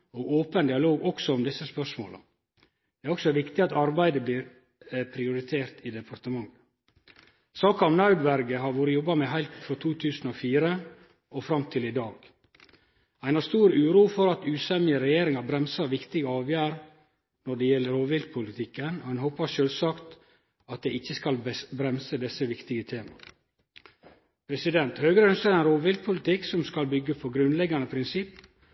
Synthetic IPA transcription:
oːɡoːpənd̪ɪɑloːɡɔksɔɔmd̪ɪsːəspœʂmo̰ːlə̰ | d̪̥ɛæɾɔksɔʋɪkt̪ɪɑt̪ɑɾbæɪd̪əbliːɾ | pʰɾɪʊɾɪt̪ʰeːɾt̪ʰiːd̪ɛpʰɑɾt̪əmɑŋː | sɑːkɑmnɑʉd̪ʋæɾɡəɦɑɾʋoːɾəjɔbːɑmeːɦæɪlt̪fɾɔt̪ʰuːt̪ʰʉːsn̩ofiːɾə | ɔfɾɑmt̪ʰɪlɪd̪ɑːɡ | æɪnhɑːɾst̪uːɾʉːɾuːfɔɾɑt̪ʉːsɛmɪəɾɛjeːɾɪŋɑbɾɛmsɑɾʋɪkt̪ɪɡəɑːʋjæːɾ | nɔɖɛjɛlːəɾoːʋɪlɡ̪̚pʰʊlɪt̪ʰɪkːənhɑnɦoːpɑʂøːlsɑːkt̪ | ɑt̪̚d̪ɛɪɪçːəskɑlbɾɛmsəd̪ɛsəʋɪkt̪ɪɡət̪ʰeːmɑ̰ | pʰɾɛsɪd̪ɛnt̪høːɡəɾəœnskəɾɛɪnɾoːʋɪlɡ̪̚pʰʊlɪt̪ɪksɔmskɑlbʏɡːəpʰɔɡɾʉnlɛɡːɑnəpʰɾɪnsɪpː

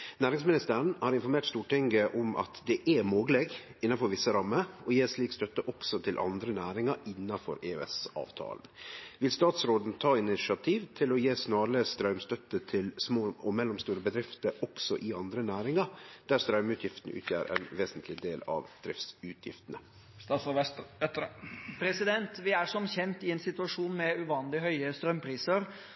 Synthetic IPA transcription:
næːɾɪŋsmɪnɪst̪əɾəɳhɑːɾɪnfɔɾmeːʈst̪uːʈɪŋɡəʔɔmʔɑ̰t̪d̪ɛʔæmoːɡəlɛɡɪnːɑnfɔɾʋɪsːəɾɑmːəɾɔjeːsliːkst̪œt̪ːəʔɔksɔt̪ʰɪlʔɑ̰nd̪ɾənæːɾɪŋɑɾɪnːɑfɔ̰ɾeːɛsɑ̰ːʋt̪ʰɑ̰ːln̩ʋɪlst̪ɑːt̪sɾoːd̪n̩t̪ʰɑːɪnɪsɑt̪ʰiːʋt̪ʰɪlɔjeːsnɑːɾəst̪ɾœʉmst̪œt̪ət̪ʰɪlsmoːɔmɛlːɔmst̪uːɾəbəd̪ɾɪft̪əɾɔksɔʔɪɑnd̪ɾənæːɾɪŋɑd̪̥æɾst̪ɾœʉmʉːt̪ʰjɪft̪ən̩ʔʉ̰ːt̪ʰjæ̰ːɾɛ̰ːnʋeːsnt̪ʰlɪd̪eːlɑ̰ʋd̪ɾɪft̪sʉːt̪ʰjɪ̰ft̪ənə | sɑsɔʋɛst̪ɛpʰɾɛsɪd̪ɛnt̪ʋɪæɾʂɔmçɛnt̪ɪɛnsɪt̪ʉɑʂuːnmɛʉʋɑːnlɪɦœʏəst̪ɾœmpʰɾiːsəɾ

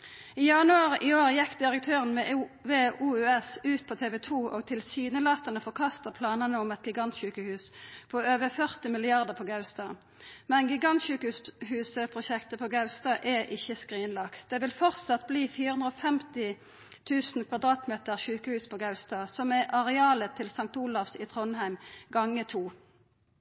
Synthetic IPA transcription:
iːjɑnʉɑʁiːoːʁjɛkːd̪ɪʁək̚t̪ʰøːʁənmɛʋeːuːʉɛsʉːt̪̚pʰoːt̪ʰeːʋɛt̪ʰuːʔo̰ːɡ̚t̪ʰɪlsyːnəlɑːt̪ɑnəfɔʁkʰɑst̪əpʰlɑːnənəɔmɛt̪ɡɪɡɑnt̪ɕʉːkəhʉːspʰoːøːʋəfœʁt̪ɪmɪlɪɑʁd̪əʁpʰoːɡɑʉst̪ɑ̰ː | mɛnɡɪɡɑnt̪ʃʉːkəʉːshʉːsəpʰʁʊʃɛkt̪əpʰoːɡɑʉst̪ɑːʔɛʔɪçːəskʁiːnlɑkt̪d̪̥ɛːʋɪlfɔʁt̪sɑt̪bliːfiːʁəʉnʁoːfɛmt̪ɪ | t̪ʰʉːsn̩kʰʋɑd̪ʁɑːt̪meːt̪əʁʃʉːkəhʉːspʰoːɡɑʉst̪ɑːsɔmɛʔɑʁɛɑːlət̪ʰɪlsɑŋt̪uːlɑfsiːt̪ʰʁɔnhæɪmɡɑŋːət̪ʰuː

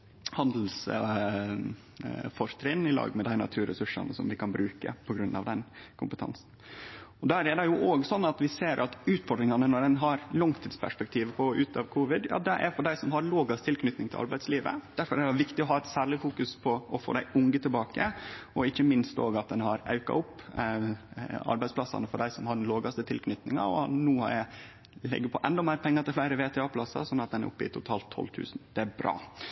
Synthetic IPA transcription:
hɑnd̪l̩s | fɔɾt̪ʰɾɪnɪlɑ̰ːɡmɛd̪æɪnɑ̰t̪ʰʉːɾə̰sʉʂɑ̰nəsɔ̰mʋɪkʰɑnbɾʉːkə̰pʰɔɡɾʉnːɑ̰ʋd̪ɛnkʰʊmpət̪ʰɑ̰nsn̩ | ɔd̪ææɾɛd̪ɛjʊʔoːɡsɔnːɑt̪ʋɪseːɾʔɑt̪ʉːt̪fɔɖɾɪŋɑnənɔɖɛnɦɑɾlɔŋt̪ʰiːd̪spʰæ̰ʂpɛk̚t̪ʰiːʋəpʰɔʉːt̪ɑʋkʰuːʋɪd̪jɑ̰ːd̪ɛʔæ̰ɾfɔɖæɪsɔmɦɑɾloːɡɑst̪ʰɪlkʰnʏt̪nɪŋt̪ʰɪlʔɑɾbæɪd̪sliːʋə̰d̪̥æɾfɔɾɛɑʋɪkt̪ɪɔɦɑːɛt̪sæːɾɭɪfuːkʉspʰɔʔɔfo̰ːd̪æɪʔʊŋɡət̪ʰɪlbɑːkəɔɪçːəmɪnst̪o̰ːɡɑt̪̚d̪ɛnhɑɾɑ̰ʉkɑ̰ʊpː | ɑ̰ɾbæɪspʰlɑsːɑ̰nəfɔɖæɪsɔmhɑɖɛnloːɡɑst̪ət̪ʰɪlkʰnʏt̪nɪŋɑ̰ɔ̰nuːhɑ̰æ | lɛ̰ɡːəpʰɔʔɛnd̪ɔmæɪɾpʰɛŋːɑt̪ɪlflæɪɾəʋeːt̪ʰɛɑpʰlɑsɑ̰sɔnːɑt̪̚d̪ɛnæ̰ɾʔʊ̰pːɪ̰t̪ʰʊt̪ʰɑːlt̪ʰːɔ̰lt̪ʰʉ̰ːsnd̪̥ɛæɾbɾɑ̰ː

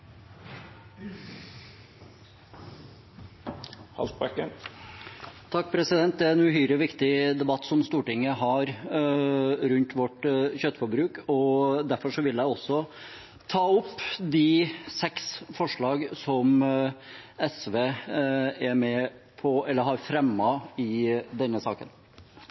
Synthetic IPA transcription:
hɑ̰lsbɑkːən | t̪ʰɑk̚ːpʰɾɛsɪd̪ɛnt̪̚d̪ɛæɾɛnʉɦyːɾəʋɪkt̪ɪd̪ɛbɑt̪ːsɔmst̪uːʈɪŋːəɦɑɾ | ɾʉnt̪ʋɔʈçœt̪ːəfɔɾbɾʉːkɔd̪æɾfɔʂɔʋɪljæɪɔsːɔ | t̪ʰɑːʊpːd̪ɪsɛksfɔʂɭɑːɡsɔm | ɛsʋeː | æmɛpʰɔɛlːəɾɦɑɾfɾɛmːɑɪd̪ɛnːəsɑ̰ːkən

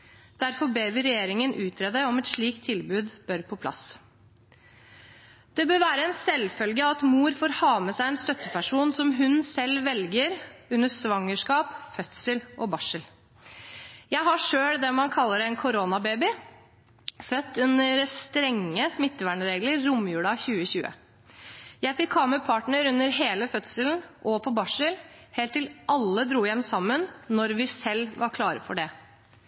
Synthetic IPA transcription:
d̪̥æɾfɔɾbeːbɪɾɛjeːɾɪŋənʔʉːt̪ʰɾɛd̪əɔmɛt̪ʂɭiːkt̪ʰːɪlbʉːd̪b̥œɾpʰɔpʰlɑ̰s | d̪̥ɛbøːʋæːɾəɛnsɛlfœlɡəɑt̪muːɾfoːɾhɑːməsæɪɛnst̪œt̪ːəpʰæʂuːnsɔmɦʉnsɛlːʋɛlɡəɾʉnːəsʋɑŋːəʂkɑːpfœt̪səlʔɔbɑʂəl | jæɪɦɑʂøːɽd̪ɛmɑnkʰɑlːəɾɛnkʰʊɾonɑbeːbɪ | fœt̪ːʉnəɾst̪ɾɛŋːəsmɪt̪ːəʋæːɳəɾeːɡləɾːʊmːjʉːɽɑçʉːəçʉːə̰ | jæɪfɪkʰːɑːməpʰɑːʈɳəɾʉnːəɾɦeːləfœt̪səln̩ʔɔpʰɔbɑʂəlheːlt̪ːɪlʔɑlːəd̪ɾuːjɛmːsɑmːənnɔɾʋɪsɛlʋɑɾkʰlɑːɾəfɔɖɛ

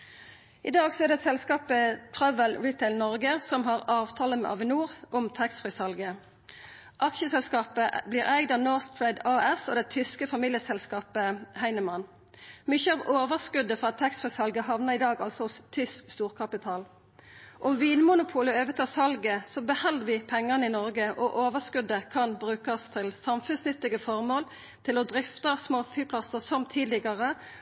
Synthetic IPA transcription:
ʔɪd̪ɑːɡsɔɛʁd̪ɛsɛlskɑːpət̪ʰʁœʋəlɹiːt̪ʰɛɪlnɔʁɡəsɔmɦɑʁɑːʋt̪ʰɑːləmɛ̰ːʔɑ̰ʋɪnuːʁʔɔmt̪ʰæksfʁɪsɑlɡə | ʔɑkʃəsɛlskɑːpəbliːʁæɪd̪ɑnɔʁst̪ʰɹɛɪd̪ɑɛso̰ːd̪ɛt̪ʰʏskəfɑmiːljəsɛlskɑːpəhæɪnəmɑn | mʏçəɑʋoːʋəʁskʉd̪əfɑt̪ʰːɛksfʁɪsɑlɡəɦɑʋnəʁɪd̪ɑːɡɑlsɔʊst̪ʰʏskst̪uːʁkʰɑpɪt̪ʰɑːl | ʔɔmʋiːnmʊnʊpʰuːləøːʋət̪ʰɑːsɑlɡəsɔbəhɛlːəʋɪːpʰɛŋːəʁnəɪnɔʁɡəʔɔʔoːʋəskʉd̪əkʰɑnbʁʉːkɑst̪ʰɪlsɑmfʉnsnʏt̪ːɪɡəfɔʁmoːl | t̪ʰɪlɔd̪ɾɪft̪əsmoːfyːpʰlɑsəsɔmt̪ʰiːd̪lɪɡɑʁə

